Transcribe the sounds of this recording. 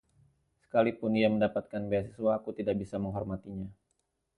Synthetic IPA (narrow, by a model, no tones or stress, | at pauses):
sə̥kalipʊniaməndapat̪̚kanbeasisuwaːkut̪idak̚bisaməŋɦɔrmat̪iɲa